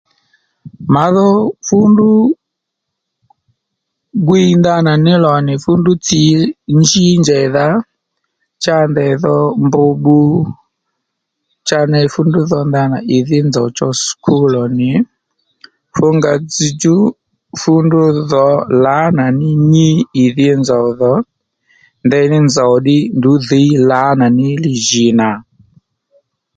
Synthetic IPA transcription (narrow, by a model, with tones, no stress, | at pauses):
ma˨ðɔ˦fu˦ndu˦ | ɡwinda˦na˨ni˦lɔ˨ni˨fu˦ndu˦t͡si˨ɲd͡ʒi˦ɲd͡ʒɛ˨ða˦ | t͡ʃa˦ndɛ˨ðɔ˦mbu˨ɓu˦ | t͡ʃa˦nɛ˨fu˦ndu˦ðɔ˦nda˦na˨ʔi˨ði˦nd͡zɔ˨ɔ˨t͡ʃɔ˦skʰu˦lɔ˨ni˨ | fu˦ŋɡa˨d͡zi˨d͡ʒu˦ | fu˦ndu˦ðɔ˨la˦na˨ni˦ɲi˦i˨ði˦ɛ˦nd͡zɔ˨ðɔ˦ | ndɛ˦ni˦nd͡za˨ɗi˦ndu˨˦ði˦la˨˦na˨ni˦li˨ʒi˨na˨